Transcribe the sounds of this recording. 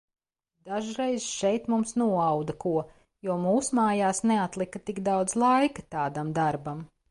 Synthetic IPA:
d̪̥aʒɾejzʃɛjt̪mumsnuɔawd̪ɐkuɔ | juɔmuːsumaːjaːsneat̪lˠikɐt̪iɡd̪awd̪zlˠajkɐt̪aːd̪amd̪aɾbam

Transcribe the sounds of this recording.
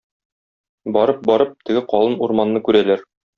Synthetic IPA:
bɒɾɤp̚bɒɾɤp̚t̪ɘ̆ɡɘqɒlˠɤnuɾmɑnːɤkʉɾælæɾ

